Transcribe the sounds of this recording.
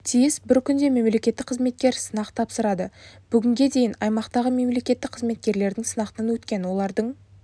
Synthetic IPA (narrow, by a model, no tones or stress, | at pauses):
t̪ʰijɪsbɪɾkʲʰʏnd̪e̞me̞mle̞kʲe̞t̪ːɪk̚qʰəzme̞t̪̚kʲe̞ɾsənɑqt̪ʰɑpsəɾɑd̪əb̥ʏɡʲɪŋɡʲe̞d̪e̞jɪnɑjmɑqt̪ɑʁəme̞mle̞kʲe̞t̪ːɪk̚qʰəzme̞t̪̚kʲe̞ɾle̞ɾd̪ɪŋsənɑqt̪ənɑnwɵt̪kʲe̞nwo̞lˠɑɾd̪əɴ